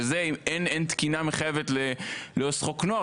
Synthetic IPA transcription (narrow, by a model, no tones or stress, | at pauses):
ezeimenent̪kinameχajevet̪leleosχoknoa